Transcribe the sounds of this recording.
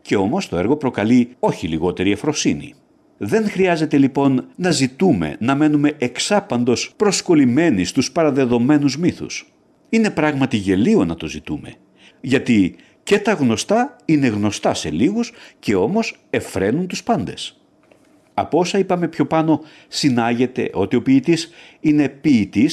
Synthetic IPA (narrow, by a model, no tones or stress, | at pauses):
ce̞o̞mo̞st̪o̞e̞ɾɣo̞pɾo̞kɐlio̞çiliɣo̞t̪e̞ɾiɐfɾo̞sinḭ | ðe̞ŋxɾiɐze̞t̪e̞lipo̞nːɐzit̪ume̞̰nɐme̞nume̞ʔeksɐpɐnd̪o̞spɾo̞sko̞lime̞nist̪uspɐɾɐðe̞ðo̞me̞nuzmiθṵs | ine̞pɾɐɣmɐt̪iʝe̞lio̞nɐt̪o̞zit̪ume̞̰ | ʝɐt̪i | ce̞t̪ɐɣno̞st̪ɐine̞ɣno̞st̪ɐse̞̰liɣusce̞o̞mo̞se̞fɾe̞nunt̪uspɐnd̪e̞s | ɐ̰po̞sɐipɐme̞pço̞pɐno̞ | sinɐʝe̞t̪e̞̰ʔo̞t̪io̞piːt̪is | ine̞piːt̪is